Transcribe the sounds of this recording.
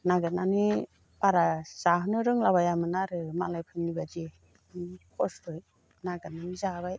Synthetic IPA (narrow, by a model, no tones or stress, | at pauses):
naɡɯnani | paɾaz̥aɦɯnɯɾɯŋlabajamɯnaɾɯmalajpʰɯnːibad͡ʒe | kʰɔstɔj | naɡɯnanizabaj